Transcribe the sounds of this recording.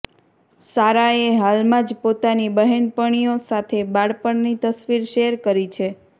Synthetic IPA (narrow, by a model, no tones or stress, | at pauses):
saɾaeɦalmãd͡ʒpot̪anibəɦenpəɳ̃ijosat̪ʰebaɽpəɳnit̪əsʋiɾʃeɦəɾkəɾit͡ʃʰe